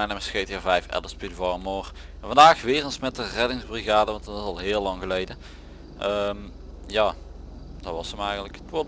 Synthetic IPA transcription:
ɛjnɛməsxejtəvɛjfɛ̰lˠəspydvɔrəmoːr | ɛnvɑndaːxʋɪːrənsmɛtərɛdɪŋzbriɣaːdəʋɑntɑtɪsɑlˠɦɪːlɑŋɣəlejdə | ʔəm | jaː | d̥ɑʋɑsəmɛjɣəntləkətʋo

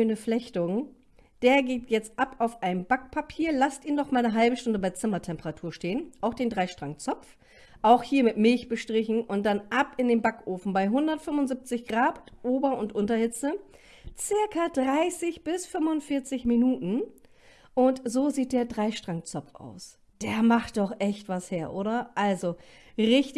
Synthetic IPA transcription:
ønəflɛçtʊŋ | d̥eːɐɡeːtʰjɛt͡stʔapaʊfʔaɪnəmbakpʰapʰiːɐlastiːnːɔχmaːlnəɦalbəʃtʊndəbaɪt͡sɪmɐtʰɛmpəʁatʰuːɐʃteːənʔaʊxd̥eːndʁaɪʃtʁ̥aŋt͡sɔpp͡f | ʔaʊxhiːɐmɪtmɪlçb̥əʃtʁ̥ɪçn̩ʊnt̚d̥anʔapɪndeːnbakʔoːfn̩baɪɦʊndɐtfʏmʊnzip̚t͡sɪçɡ̥ʁaːtʔoːbɐʊntʔʊntɐhɪt͡sə | t͡sɪɐkɐdʁaɪsɪçb̥ɪsfʏmʊntfɪɐt͡sɪçminuːtn̩ | ʔʊntzoːziːt̚d̥eːɐdʁaɪʃtʁ̥aŋt͡sɔpp͡fa̰ʊs | d̥eːɐmaχt̚d̥ɔχʔɛçtv̥asheːɐʔoːɾɐʔalzo | ʁɪçt

